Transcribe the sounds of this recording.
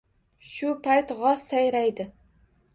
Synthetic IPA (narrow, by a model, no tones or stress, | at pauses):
ʃʊpʰajt̪ʁɒsːajɾajd̪ɪ